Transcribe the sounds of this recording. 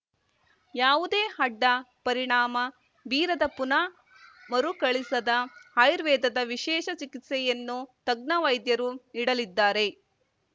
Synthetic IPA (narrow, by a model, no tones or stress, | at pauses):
jaːʋud̪e̞ːhɐɖːɐpɐɾiɳaːmɐ | biːɾɐd̪ɐpunɐ | mɐɾukɐɭisɐd̪ɐhɐjɾʋɛːd̪ɐd̪ɐʋiʃɛːʃɐt͡ʃikit̪sɛjɐnːut̪ɐɡ̚nɐʋɐjd̪jɐɾuniɽɐlid̪ːaːɾe̞